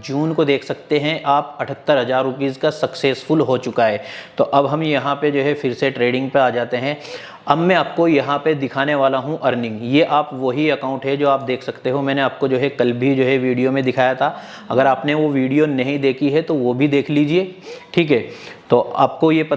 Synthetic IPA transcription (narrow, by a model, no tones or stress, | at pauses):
d͡ʒuːnkod̪eːkʰsɐkt̪eɦɛ̃ʔaːpɐʈʰət̪ːəɾɦɐzaːɾːʊpiːzkasɐkseːsfʊlɦot͡ʃʊkaɦɛːt̪oʔɐbɦɐ̃mjɐɦãped͡ʒoːɦɛfɪɾseʈɾeːɖɪ̃ŋɡ̚peaːd͡ʒaːt̪eɦɛ̃ | ɐbmɛ̃aːp̚kojɐɦãped̪ɪkʰaːneʋaːlaɦũʔɐɾnɪ̃ŋɡjeʔaːpʋoɦiɐkãːʊ̃ɳʈɦɛd͡ʒoːaːp̚d̪eːkʰsɐkt̪eɦõmɛ̃ːneaːp̚kod͡ʒoːɦɛkɐlbʱid͡ʒoːɦɛʋiːɖijomẽd̪ɪkʰaːjat̪ʰa | ɐ̰ɡəɾaːpneʋoʋiːɖijonɐɦĩd̪eːkʰiɦɛt̪oʋobʱid̪eːkʰliːd͡ʒieːʈʰiːkɦɛːt̪oːʔa̰ːp̚kojepɐ